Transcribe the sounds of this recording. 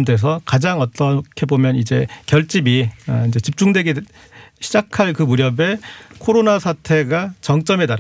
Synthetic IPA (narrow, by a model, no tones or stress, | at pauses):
mdwe̞s̬ʰʌkad͡ʑaŋʌt͈ʌkʰe̞bomjʌnid͡ʑe̞kjʌɭt͡ɕ͈ibiaid͡ʑe̞t͡ɕip̚t͡ɕ͈uŋdwe̞ɡe | ɕʰid͡ʑakʰaɭkɯmuɾjʌbe̞kʰoɾonasʰatʰe̞ɡat͡ɕʌŋt͡ɕ͈ʌme̞taɾ